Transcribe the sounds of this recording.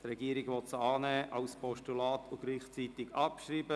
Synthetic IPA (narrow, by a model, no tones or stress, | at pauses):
t̪rɛɡiːəɾɪɡʋɔt̪səɑːnɛːʔɑʊspɔʃtulɑːtʊɡ̥liːχt͡sitɪɡɑpʃɾiːbə